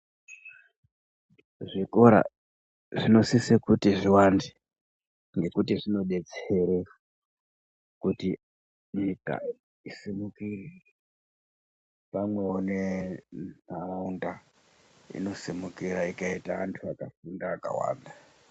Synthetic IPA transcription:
ʐiko̞ɾa̰ | ʐino̞sisikutiʐiwandi | ŋɡe̞kutiʐino̞ɗe̞t͡seɾe | kuti | ɲika̰ | isimukire | pamwe̞one | naraunda | ḭno̞simukiɾaikaitaantʰuakafundaːka̰wa̰ːnda

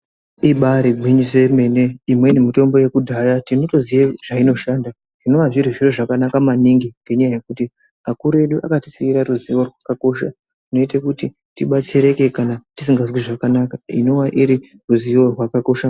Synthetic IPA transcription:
iɓaɾiɡʱiɲis̬e̞me̞ne̞imwenemito̞mbo̞je̞kudʱajatino̞to̞zijeʐaino̞ʃanda | ʐ̥ino̞ʋaʐiriʐiroʐakanakamaniŋɡiŋɡe̞ɲajaje̞kuti | makuɾe̞ɗuʔa̰kati̥siiɾaɾuziʋo̞rwakako̞ʃa | tino̞itekuti | tiɓat͡seɾe̞ke̞kanatis̬iŋɡazwiʐakanakaḭno̞waʔiɾi | ruziʋo̞rwakako̞ʃa

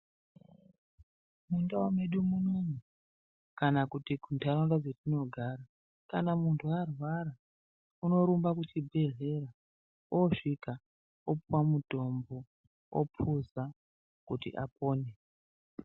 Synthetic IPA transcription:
mundawameɗumunomu | kanakutiɡʱuntʰaɾaŋdad͡zetino̞ɡʱaːɾa | kanamuntʰuarwaɾa | uno̞ɾumbakut͡ʃibʱe̞ɮe̞ɾa | oʂika | opuwamudʱo̞mbo | o̰pʰuza | kutḭʔa̰po̞ːne

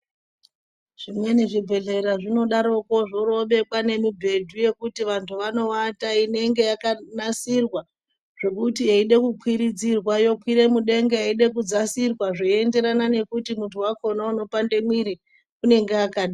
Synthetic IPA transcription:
ʐ̥imwe̞neʐibʱe̞ɮe̞ɾaʐino̞ɗaɾokoʐoɾo̞ɓe̞kwane̞mibʱe̞dʱuje̞kutiʋantʰuʋano̞wataine̞ŋɡe̞jakanasirwa | ʐ̥e̞kutiɦeiɗe̞kukwiɾid͡zirwajo̞kwiɾe̞muɗe̞ŋɡeaiɗe̞k̬ud͡zasirwaʐoende̞ɾanane̞kutimuntʰuwakʰo̞nauno̞pande̞mwiɾi | une̞ŋɡeakaɗi

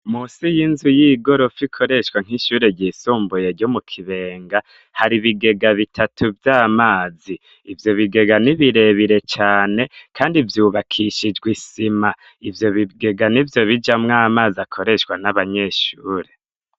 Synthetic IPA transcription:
muːsijinzujiɡo̞ɾo̞fikʰo̞ɾe̞ʃwaŋ̥iʃuːɾe̞ɾɟisuːmbujeɾɟomukʰiβe̞ːŋɡa | haɾiβiɡe̞ɡaβitʰatʰuvjaːmaːziː | vjo̞βiɡe̞ɡaniβiɾe̞βiɾe̞t͡ʃaːne̞kʰaːndivjuːβakʰiʃid͡ʒɡwisima | ivjo̞βiɡe̞ɡanivjo̞βid͡ʒamŋaːmaːziakʰo̞ɾe̞ʃwanaβaɲe̞ʃuːɾe̞

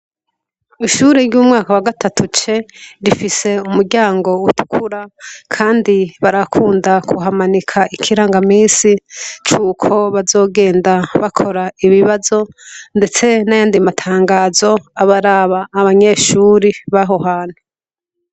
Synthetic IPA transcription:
iʃuːɾeɾɟuːmŋaːkawaɡatʰatʰut͡ʃe̞ɾifise̞umuɾɟaːŋɡo̞utʰu̥kʰuɾakʰaːndiβaɾakʰuːndakʰuɦamanikʰaʔikʰiɾaːŋɡamiːsit͡ʃuːkʰo̞βazo̞ːɡe̞ːndaβakʰo̞ɾaiβiβazo̞nde̞t͡se̞najaːndimatʰaːŋɡaːzo̞aβaɾaβaːβaɲe̞ʃuːɾiβaɦo̞ɦaːn̥hu

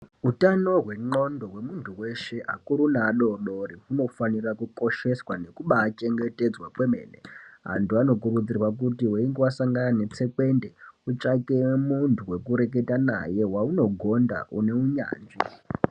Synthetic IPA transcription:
utano̞ɦweŋ͡ǃo̞ndo̞ɦwe̞muntʰuwe̞ʃe̞ʔa̰kuɾunaɗo̞ɗo̞riɦuno̞fanirakuko̞ʃe̞swane̞kuɓaːt͡ʃe̞ŋɡe̞te̞d͡zwakwemeːnḛɦa̰ntuano̞k̬urud͡zirwak̬utiweiŋɡewasaŋɡanane̞t͡se̞kwe̞nde̞ut͡ʂakemuntʰuwe̞kuɾe̞k̬e̞tana̰je̞wauno̞ɡʱo̞nda̰ʔṵne̞uɲa̰ːnʐi

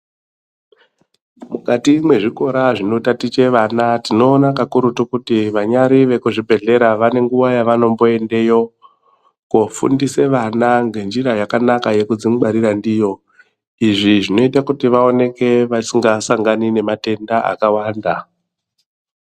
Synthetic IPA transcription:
mukatimwe̞ʐiko̞ɾaʐino̞tatit͡ʃe̞ʋanatino̞ːnakakuɾutukutiʋaɲaɾiʋe̞kuʐibʱe̞ɮe̞ɾaʋane̞ŋɡuʋajaʋano̞mbo̞e̞nde̞jo̞ | kofṵndise̞ʋanaŋɡe̞nd͡ʒiɾajakanakaje̞kud͡ziŋɓaɾiɾandijo̞ | iʐiʐino̞itakutiʋao̞ne̞ke̞ʋasiŋɡasaŋɡanine̞mate̞ndaa̰kawaːnda

